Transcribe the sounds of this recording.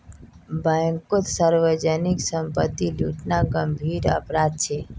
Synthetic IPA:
baŋkot̪səɾʋəd͡ʒəniksəmpət̪ːilṵʈnaɡəmbʱiːɾə̰pɾad̪̚t͡ʃʰe

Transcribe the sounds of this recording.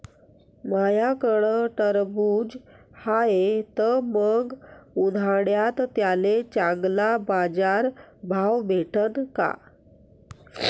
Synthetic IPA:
majakəɳəʈəɾbuːd͡ʑ | haet̪əməɡud̪ʱaɽjat̪ːjalet͡ɕãŋɡlabad͡zaɾbʱawbʱeʈənka̰

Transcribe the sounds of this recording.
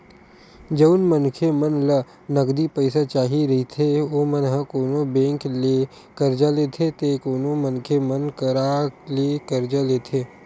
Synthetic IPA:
d͡ʒɐʊnmənkʰemənlə | nəɡd̪ipəɪsat͡ʃaːɦiɾɐɦit̪ʰeoːmənɦəkoːnobẽːŋkle | kəɾd͡ʒaːleːt̪ʰet̪ekoːnomənkʰemənkəɾaːlekəɾd͡ʒaleːt̪ʰeː

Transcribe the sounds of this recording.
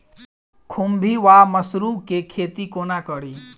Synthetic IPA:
kʰumbʱiʋaməsɾukekʰeːt̪ikonakəɽiː

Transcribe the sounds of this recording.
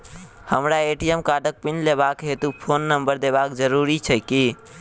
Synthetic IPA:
həmɾaeʈiemkaɖək̚pinleβakɦet̪upʰonːəmbəɾd̪eβakd͡ʒəɾuɾit͡ʃʰəɪki

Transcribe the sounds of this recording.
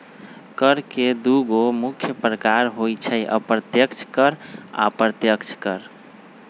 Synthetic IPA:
kəɾked̪uɡomukʰːjəpɾəkaɾɦojt͡ʃʰəjʔə̰pɾət̪jəkt͡ʃʰkəɾa̰pɾət̪jəkt͡ʃʰkəɾ

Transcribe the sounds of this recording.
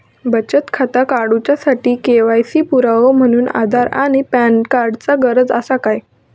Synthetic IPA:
bət͡ɕət̪kʰat̪akaɽut͡ɕjasaʈiːkeʋajsiːpuɾaʋom̤əɽ̃uːna̰d̪ʱaɾa̰ɽ̃ipæɳkaɾɖt͡saɡəɾəd͡zə̰sakaj

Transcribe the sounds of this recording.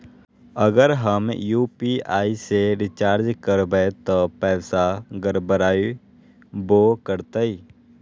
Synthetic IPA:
əɡəɾɦəmjuːpiːaːiseɾɪt͡ʃaːɾd͡ʒkəɾbet̪oːpɛːsaɡəɾbəɾaːi | boːkəɾt̪aiː

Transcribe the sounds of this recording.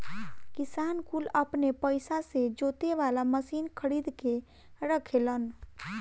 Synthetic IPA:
kisankuləpnepəɪsased͡ʒot̪eʋalaməsiːnkʰəɽid̪ke | ɾəkʰelən

